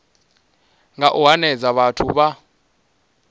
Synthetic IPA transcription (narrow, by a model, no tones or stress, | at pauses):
ŋaʔuɦanɛd͡zaɓatʰuɓa